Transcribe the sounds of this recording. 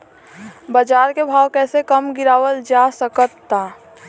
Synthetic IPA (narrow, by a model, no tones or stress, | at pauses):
bəd͡ʒaːɾkebʱaːwkɛːsekəmɡɪɾaːwəld͡ʒasəkət̪ːaː